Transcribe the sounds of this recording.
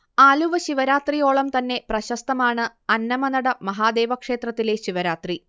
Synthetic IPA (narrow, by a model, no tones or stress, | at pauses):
aːluʋɐɕiʋɐɾaːt̪rijo̞ːɭɐmt̪ɐnːe̞prɐɕɐst̪ɐmaːɳɨ | ɐnːɐmɐnɐɽɐmɐɦaːd̪e̞ːʋɐkʂe̞ːt̪rɐt̪ːile̞ɕiʋɐɾaːt̪ri